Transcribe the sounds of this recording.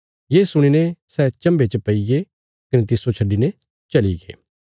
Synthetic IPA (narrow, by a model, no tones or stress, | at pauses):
jeːsʊɽ̃inesɛːt͡ʃɐ̃mbet͡ʃəpɐiɡe | kɐnet̪ɪsot͡ʃʰɐɖːine | t͡ʃɐlḭɡḛː